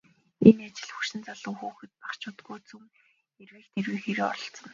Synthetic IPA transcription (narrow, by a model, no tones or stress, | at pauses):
enat͡ɕɪ̆ɮxuʃɪ̆nt͡saɮə̆ŋxuːxɘ̆t̪̚pḁχt͡ɕʰʊːt̪ɡuːt͡sʰuŋ | erweːkt̪ʰerwiːxeɾeːɔ̰ɮɞ̆ɬt͡sɞ̆n